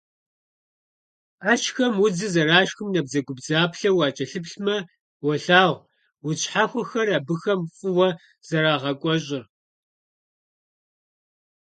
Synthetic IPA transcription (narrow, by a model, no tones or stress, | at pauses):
aːt͡ʃxɐmʊd͡zɨzɐraːʃxɨmnɐbzɐɡʷʊbd͡zaːpɬɐwɑːt͡ʃʼɐɬɨpɬmɐ | wɔɬaːʁʷ | wʊt͡ʃʼħaxʷɔxɐraːbɨxɐmfʼʊwɐ | z̥ɐɾaːʁɐkʷʼɔɕʼɪr